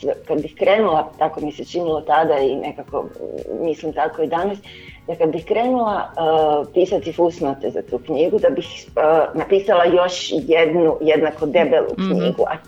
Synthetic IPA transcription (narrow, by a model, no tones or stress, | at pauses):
d̪akad̪bixkɾe̞ːnulˠat̪akomiset͡ʃinilˠot̪ad̪ainʔe̞kako̰mislimt̪ako̞id̪anas | d̪akad̪bixkɾe̞ːnulˠa | piːsat̪ifusnat̪ezat̪uːkɲiɡud̪abixnapiːsalˠajo̞ʃjed̪nujed̪nako̞d̪e̞belṵkɲḭːɡṵa̰